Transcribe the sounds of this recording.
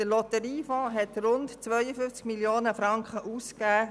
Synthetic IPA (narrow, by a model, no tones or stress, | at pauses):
dəlɔt̪əɾiːfɔ̃ːɦɛt̪ɾʊntt͡sʋœʏəfʏft͡skmiljoːnəfɾɑŋkχəʔuːskkæː